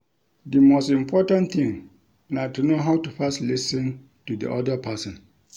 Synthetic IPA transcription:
dimostĩmpʰɔtãnθĩŋ | natunoɦawtufastlisɔ̃n | tudḭʔɔ̰dəpʰasɔ̃n

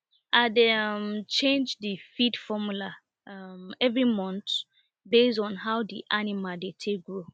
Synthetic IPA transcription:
ʔademt͡ʃẽnd͡ʒdifidfɔmula | ʌmɛvɹimɔ̃nt | bestɔ̃nɦawdiʔanimaldetʰeɡɹo

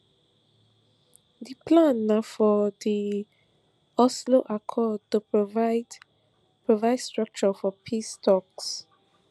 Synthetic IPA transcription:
diplãnːafɔdi | ɔsloʔakʰɔd̚tupɹovd | pɹovaɪdstɹak̚t͡ʃɔfɔpʰistɔks

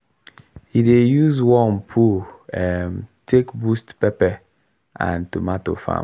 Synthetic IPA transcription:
hidejuzwɔ̃npʰuɛmtʰekbustpɛpɛ | ã̰ntumato̰fã̰

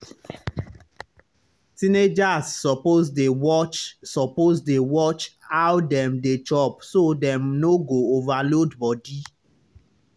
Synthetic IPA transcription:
tined͡ʒasːɔpozdewɔt͡ʃsɔpozdewɔt͡ʃhawdɛmdet͡ʃɔpsodɛmnoɡoovalodbɔdi

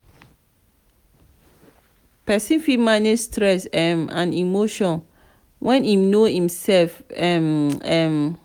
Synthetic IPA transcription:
pɛsĩnfimãnistɹɛsɛmã̰nimoʃɔ̃n | wʔɛ̃ninohĩmsɛlfɛmɛm

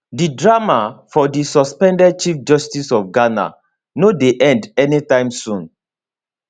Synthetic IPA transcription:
didɹamafɔdisɔspɛ̃ndɛd̚t͡ʃifd͡ʒɔstisɔfɡana̰ | nodeʔɛ̃ndɛnitãɪ̃msũn

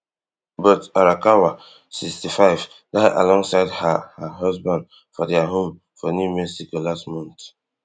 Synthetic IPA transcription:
bɔtaɾakawa | sikstifaɪv | daɪʔa̰lɔ̃ŋsaɪdhahaɦɔsbãnd | fɔdɛaɦõm | fɔnjumɛsikolastmɔ̃nt

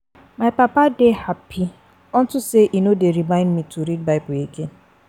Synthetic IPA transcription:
maɪpapadehapʰi | ɔn̩tʊseʔinodeɾimãɪ̃ndmitʰuɾid̚baɪpʊeke

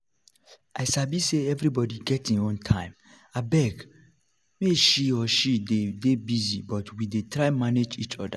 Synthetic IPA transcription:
ʔaɪsabiseɛvɾibɔdiɡɛtĩnõntʰãɪ̃m | abɛɡ | meʃiɔʃidedebizibɔtwidetʰɹaɪmaned͡ʒit͡ʃɔda̰

